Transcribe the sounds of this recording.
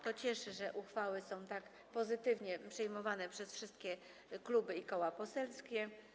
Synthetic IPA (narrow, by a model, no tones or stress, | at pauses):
t̪ɔt͡ɕɛʂɘʐɛʔuxfawɘsɔ̃w̃t̪ak | pɔzɘt̪ɘvɲɛpʂɛjmɔvanɛpʂɛsfʂɘst̪̚kʲɛ | klubɘikɔwapɔsɛlskʲɛ